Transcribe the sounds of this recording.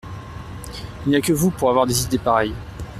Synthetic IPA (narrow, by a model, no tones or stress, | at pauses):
ilniakʲəvupuʁavwaʁd̪ezid̪epaʁɛj